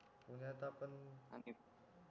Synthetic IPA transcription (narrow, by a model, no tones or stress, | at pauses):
puɲat̪apəna̰ni